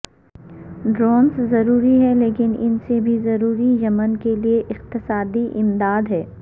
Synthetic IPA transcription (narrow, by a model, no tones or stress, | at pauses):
ɖɾoːnszɐɾuːɾiɦɛleːkɪnɪ̰nsebʱizɐɾuːɾijɐmənkelieʔɪq̚t̪ɪsaːd̪iʔɪmd̪aːd̪ɦɛː